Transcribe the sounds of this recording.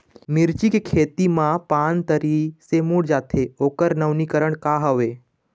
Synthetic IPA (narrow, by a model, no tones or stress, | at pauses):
mɪɾt͡ʃikekʰeːt̪imãpaːnt̪əɾisemuɽd͡ʒaːt̪ʰeoːkəɾnəʋnikəɾəɳkaɦəʋe